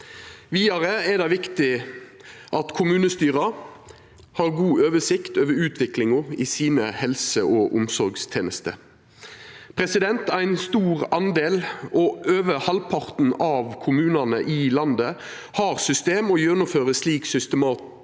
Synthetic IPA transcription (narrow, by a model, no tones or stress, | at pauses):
ʋiːɑʁəɛd̪ɑɪʋɪkt̪ɪ | ʔɑt̪kʰʊmʉːnəst̪yːʁɑ | hɑːʁɡuːʔøːʋəsɪkt̪øːʋəɾʉːt̪ʰʋɪklɪŋʊɪsiːnəhɛlsəʔoːʔʊmsɔɾɡst̪ʰeːnəst̪ə | pʰʁɛsɪd̪ɛnt̪æɪnst̪uːʁɑnd̪eːlɔøːʋəhɑlpʰɑʁt̪n̩ɑʋkʰʊmʉːnɑnəʔɪlɑnd̪ə | hɑːʁsʏst̪eːmɔjœnːʊmføːʁəsliːksʏst̪əmɑːt̪